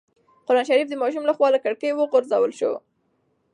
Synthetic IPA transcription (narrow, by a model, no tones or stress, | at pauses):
qʊɾɑnʃaɾifd̪əmɑʃ̬umlaxwɑlakaɽkəjwəɣʊɾzawəlʃo̰